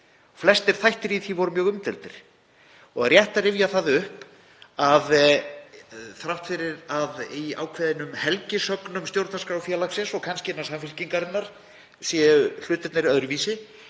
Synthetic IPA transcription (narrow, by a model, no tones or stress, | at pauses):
ɣflɛst̪ɪɾ̥θajht̪ɪɾiθivɔɾʏmjœːɣʏmt̪ɪlt̪ɪɾ̥ | ɔɣrjɛht̪arɾɪvjaθaðʏhp | að | θɾawht̪fɪɾɪɾaðia̰ːwkʰvɛðɪnʏmhɛlcɪsœknʏmst̪jowɾt̪naskɾawfjɛlaksɛsɔɣkʰanscɪɛnːaɾ̥samfɪl̥ciŋkaɾɪt̪nːaɾ̥ | sjɛʏl̥ʏːt̪ɪt̪naɾiœðɾʏviːsɪ